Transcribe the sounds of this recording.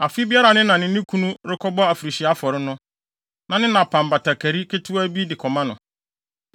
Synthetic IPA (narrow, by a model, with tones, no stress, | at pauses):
a˨fi˦bi˦a˦ɾa˨nɪ̃˦nã˨nɪ̃˦nɪ̃˦kʰũ˦nũ˦ɾɪ˦kʰɔ˦bɔ˦a˨fɾi˨ɕi˨a˦fɔ˨ɾɪ˦nʊ̃˦ | nã˨nɪ̃˦nã˨pʰã˨m˨ba˨tʰa˨kʰæ˨ɾi˦kʰɪ˦tʰʊ˦æ˦bi˦dɪ˨kʰɔ˨mã˦nʊ̃˨